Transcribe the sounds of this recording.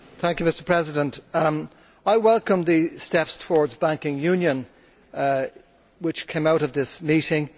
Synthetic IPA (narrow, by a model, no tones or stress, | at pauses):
θæ̃ŋkjʉmɪstə˞pʰɹ̥ɛzɪɾə̃nt | aɪwɛlˠkə̃mðɨstɛpstʰəwɔɹdzbæ̃ŋkɪ̃ŋjʉ̃njə̃n | wɪt͡ʃkʰẽɪ̃maʊɾʌvðɪsmiɾɪ̃ŋ